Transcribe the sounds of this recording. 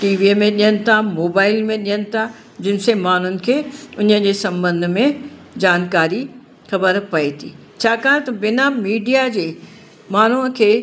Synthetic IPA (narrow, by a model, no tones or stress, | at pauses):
ʈiːʋimẽɗijənɪ̆t̪ʰamoːbaːɪlmẽɗijənɪ̆t̪ʰa | d͡ʑɪnɪ̆semaːn̤ʊnɪ̆kʰeːʊnəd͡ʑeːsɐ̃mbə̃nd̪ʱmẽ | d͡ʑaːnkaːɾi | xɐbəɾpɐit̪ʰḭː | t͡ɕʰaːkaːnt̪ɐʋɪnamiːɖijad͡ʑeː | maːn̤uə̃kʰeː